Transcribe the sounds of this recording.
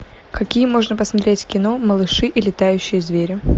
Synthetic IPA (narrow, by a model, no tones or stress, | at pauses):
kɐkʲijəmo̞ʐnəpəsmɐt̪ɾʲetʲkʲɪno̞məlˠɨʂɨʔilʲɪt̪ajʉɕːɪjəzvʲeɾʲʊ